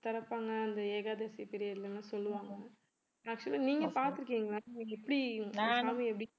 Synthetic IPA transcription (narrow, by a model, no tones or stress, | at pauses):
t̪ɐɾɐpːaːŋɡɐːnd̪ɐeːɣaːd̪ɐɾsipɪɾɪjɐɾɪlɐnːasɔlːɯʋaːŋɡɐ | aːkt͡ʃʊliniːŋɡɐpaːɾt̪ɯɾɯk̬ːiːŋɡɐnaːniːŋɐɛpːɐɽisaːmiɛpːɐɽɪ